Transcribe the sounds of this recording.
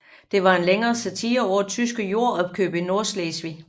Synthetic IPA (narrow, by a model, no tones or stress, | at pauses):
d̥e̝ʋɑ̈e̝nleŋɐːsæt͡sʰiːɐɒ̰̥ːt͡sʰysɡ̥əjo̝ɐ̰ɒ̽b̥̚kʰø̰ːb̥əino̝ɐsleːsʋi